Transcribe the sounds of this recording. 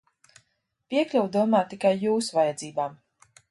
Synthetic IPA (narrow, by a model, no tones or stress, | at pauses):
pʲiɛklʲuwd̪uɔmaːt̪ikajːuːsvajɛd̪ziːbaːm